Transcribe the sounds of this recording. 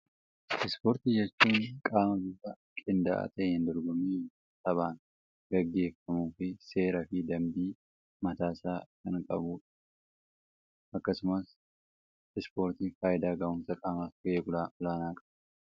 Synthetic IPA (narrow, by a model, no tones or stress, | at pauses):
ʔɪspoːɾt̪ijɛt͡ʃːuːnkʼaːmɐbuːsɐ | kʼɪnd̪a̰ʔa̰t̪ɐʔɪnd̪ɔɾɡɔmiː | t̪ʼɐbaːn | ɡɐɡːe̞ːfːɐmuːfɪse̞ːɾɐfɪd̪ɐmd̪iː | mɐt̪aːsaːkɐŋkʼɐ̰buːᶑɐ̥ | ʔɐkːɐsʊmɐs | ɪspo̞ːɾt̪iːfaːjɪd̪aːɡɐmʊnsɐkʼaːmɐkeːɡʊlaːʔʊlaːnaːkʼɐ̥bɐ